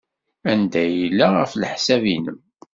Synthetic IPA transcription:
ænd̪æjilːaʁəflħsævinəm

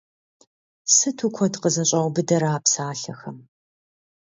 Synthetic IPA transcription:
sɨtʰukʷʰɔtqəzɐɕʼɐʁʷbɨdɐɾaːpsaːɬɐxɐm

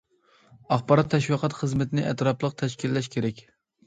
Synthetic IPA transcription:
ɑχbɑɾɑt̪ʰːɛʃwiqʰɑt̪χəzmɪt̪ʰɪnɪʔɛ̰t̪ɾɑplˠəq̚t̪ʰɛʃkʲilːɛʃkʲʰeɾɛkʲ

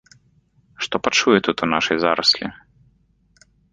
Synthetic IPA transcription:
ʂt̪ɔpɐt͡ʂujɛt̪ut̪unaʂɛjzaɾɐsʲlʲḭ

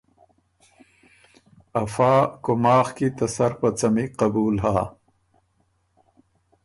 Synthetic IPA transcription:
ɐfaːkʊmɑːxkit̪ɐsɐɾpɐt͡sɐmiqɐbuːlɦaː

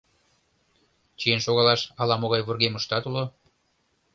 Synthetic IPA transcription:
t͡ʃijenʃoɣɑlɑʃɑlɑmoɣɑjβurɣeməʃt̪ɑt̪ulo

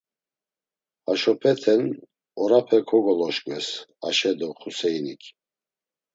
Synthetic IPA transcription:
aʃɔpʰɛt̪ʰɛn | ɔɾapʰɛkʰɔɡɔlɔʃkʼwɛsa̰ʃɛd̪ɔχusɛjnikʰ

